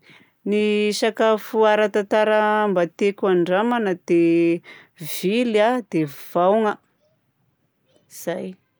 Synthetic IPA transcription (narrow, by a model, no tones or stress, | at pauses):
nisakafuaɾat̪at̪aɾəmbat̪ekʲuaɳɖ͡ʐamanəd̪̥e | v̥ilad̪ev̥awŋə | iz̥aj